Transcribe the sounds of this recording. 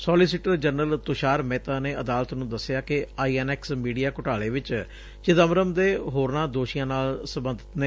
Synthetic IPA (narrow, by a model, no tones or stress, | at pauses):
sɔːliːsiːʈəɾd͡ʒənəlt̪ʊʃaːɾmɛːt̪aːneːʔəd̪aːlt̪nũːd̪əsːɪjaːkɪaːiːɛːnɛːksmiːɖijaːkʊʈaːleːʋɪt͡ʃ | t͡ʃɪd̪əmɾəmd̪eːɦoːɾnãːd̪oːʃɪjãːnaːlsəmbə̃nd̪ʱət̪neː